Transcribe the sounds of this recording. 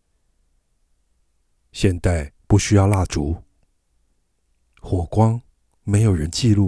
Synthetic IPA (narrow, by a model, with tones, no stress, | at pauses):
ɕjɛ˥˧nt̪a˥˩ɪpu˥˩ɕy˥jɑ˥˧ʊla˥˩ʈ͡ʂu˧˥ | xwɔ˨˩kwɑ˥ŋ | me˧˥ɪjo˨˩ʊɻə˧˦nt͡ɕi˥˧lu˥˩